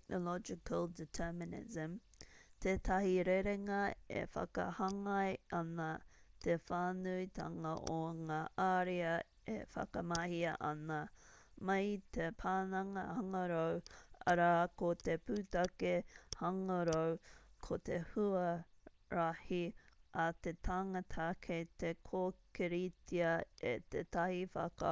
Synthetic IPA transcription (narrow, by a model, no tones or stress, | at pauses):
k̚nolɔd͡ʒɪkəlˠditʰɛːmɪnɪ̰zə̃mt̪ʰeːt̪ʰɐhiɾeɾeŋɐḛfɐ̰kɐ̰hɐŋɐjʔɐnɐt̪ʰefaːnuit̪ʰɐ̰ŋɐʔoŋaːʔaɾiɐ | ḛfɐ̰kɐmɐhiɐʔɐnɐ | mɐjt̪ʰepʰaːnɐŋɐhɐŋɐɾowɐ̰ɾaːkot̪epuːt̪ɐkehɐŋɐɾowkʰot̪ehuɐ | ɾahiat̪et̪ʰaŋɐt̪ʰakʰet̪ekʰoːkeɾitʰiɐḛt̪et̪ɐhifɐ̰kɐ̰